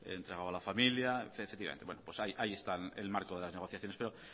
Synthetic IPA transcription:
ḛḛnt̪ɾe̞ɣawalafamiljaefekt̪iβa̰enwenopwesajʔaie̞st̪aḛlmaɾkoðe̞lazne̞ɣ̞o̞θjaθjonespe̞ɾo

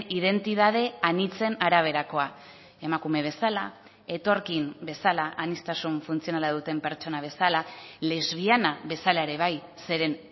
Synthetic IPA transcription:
ið̞e̞nt̪iðað̞e̞anit͡se̞naɾaβ̞e̞ɾako̞a | e̞makume̞β̞e̞sala | e̞t̪o̞ɾkimbe̞salaʔanist̪asuɱfunt͡sio̞nalað̞ut̪e̞mpe̞ɾt͡ʃo̞naβ̞e̞salale̞zβ̞ianaβe̞salaeɾe̞β̞ajse̞ɾe̞n

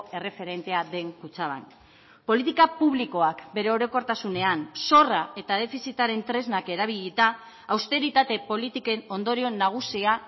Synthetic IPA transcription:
e̞re̞fe̞ɾe̞nt̪e̞aðe̞ŋkut͡saβ̞a̰n | po̞lit̪ikapuβ̞liko̞akbe̞ɾe̞o̞ɾo̞ko̞ɾt̪asune̞anso̞rae̞t̪aðe̞fisit̪aɾe̞nt̪ɾe̞znake̞ɾaβ̞iʎit̪aː | wst̪e̞ɾit̪at̪e̞po̞lit̪ike̞no̞nd̪o̞ɾio̞naɣ̞usia

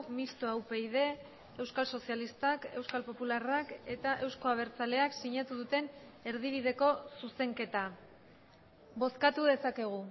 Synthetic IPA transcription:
mist̪oawpe̞iðe̞ː | wskalso̞sijalist̪ake̞wskalpo̞pularake̞t̪aʔe̞wsko̞aβ̞e̞ɾt͡sale̞aksiɲat̪uð̞ut̪e̞ne̞ɾð̞iβ̞iðe̞ko̞suse̞ŋke̞t̪a | bo̞skat̪uðe̞sake̞ɣ̞u

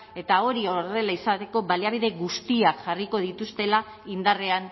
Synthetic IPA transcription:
e̞t̪ao̞ɾiore̞laisat̪e̞ko̞βaliaβiðe̞ɣust̪iakʝariko̞ð̞it̪ust̪e̞la | ind̪are̞an

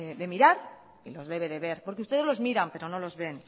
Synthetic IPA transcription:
ðe̞miɾaɾ | ilo̞zðe̞βe̞ðe̞βe̞ɾpoɾkeust̪ee̞zlo̞zmiɾampe̞ɾo̞nolo̞zβe̞n

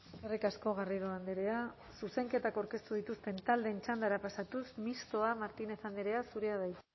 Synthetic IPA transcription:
kerikasko̞ɣ̞ariɾoand̪eɾe̞a | suse̞ŋke̞t̪akawɾke̞st̪uð̞it̪ust̪e̞nt̪ald̪ent͡ʃand̪aɾapasat̪usmist̪o̞amaɾt̪ineθand̪eɾe̞asuɾe̞aðaj

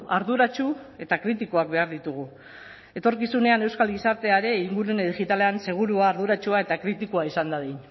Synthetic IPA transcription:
aɾðuɾat͡ʃue̞t̪akɾit̪ikoak̚be̞aɾðit̪uɣ̞u | e̞t̪o̞ɾkisune̞ane̞wskalɡisaɾt̪e̞aɾe̞iŋɡuɾuneðiʝit̪ale̞anse̞ɣ̞uɾuaːɾðuɾat͡ʃuae̞t̪akɾit̪ikuaisand̪aðejn

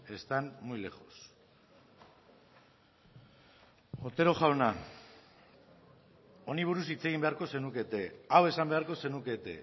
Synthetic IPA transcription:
e̞st̪anmujle̞ɣo̞s | o̞t̪e̞ɾo̞ʝawna | o̞niβ̞uɾusit͡se̞ɣ̞imbe̞aɾko̞se̞nuke̞t̪e̞awe̞sambe̞aɾko̞se̞nuke̞t̪e̞̰

